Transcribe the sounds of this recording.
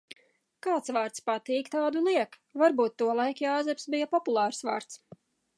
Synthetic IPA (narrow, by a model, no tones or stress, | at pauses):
kaːt̪svaːɾt̪spat̪iːkt̪aːd̪uniɛkvaɾbuːt̪ːuɔlˠajkjaːzɛpsbijapɔpulˠɑːɾsva̰ːɾt̪s